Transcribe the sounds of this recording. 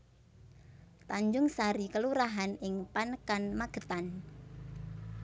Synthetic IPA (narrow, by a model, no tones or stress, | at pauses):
t̪aɲd͡ʒʊŋsaɾikəluɾaɦanɪŋpanəkanmaɡ̥ə̤t̪an